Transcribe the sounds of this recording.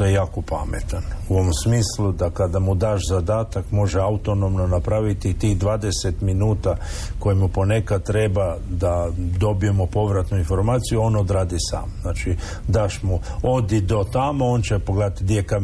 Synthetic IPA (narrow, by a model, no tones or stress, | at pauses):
t̪ojejaːkopa̰mḛt̪anuoomsmiːslˠud̪akad̪amud̪aːʃzad̪aːt̪akmo̞ʒeaut̪o̞no̞mno̞napɾaʋit̪it̪iːɣd̪ʋaːd̪eset̪minuːt̪a | ko̞jimupo̞ne̞kad̪̚t̪ɾe̞bad̪ad̪o̞bije̞mo̞po̞ʋɾat̪nuinfo̞ɾmaːt̪sijuo̞ːno̞d̪ɾaːd̪isa̰ːmznaːt͡ʃi | d̪aːʃmuo̞d̪id̪o̞t̪amoont͡ɕepoɡled̪at̪d̪jeka